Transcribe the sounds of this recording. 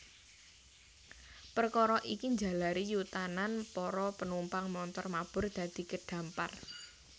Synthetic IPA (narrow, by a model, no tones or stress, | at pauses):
pərkɔɾɔʔikiɲd͡ʒa̤laɾijut̪ananpɔɾɔpənumpaŋmɔnt̪ɔrmab̥ʊ̤rd̪̥ä̤d̪̥i̤kəɖ̥ä̤mpar